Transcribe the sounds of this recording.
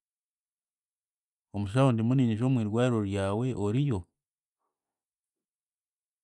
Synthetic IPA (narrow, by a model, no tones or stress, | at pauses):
omuʃ̬aondimuniniʒomwiɾɡwaiɾoɾjaweʔoɾijo